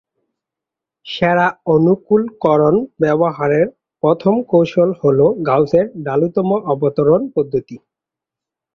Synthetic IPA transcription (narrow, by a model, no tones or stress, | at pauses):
ʃɛɾaonukulkɔɾonbɛboɦaɾeɾ | pɾɔt̪ʰomkowʃolholoɡawseɾɖalut̪ɔmoʔɔbot̪oɾonpɔd̪ʱːot̪i